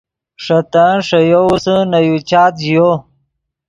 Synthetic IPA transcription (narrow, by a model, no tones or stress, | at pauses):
ʂɐt̪aʂɐjousənɐjut͡ɕaːt̪jo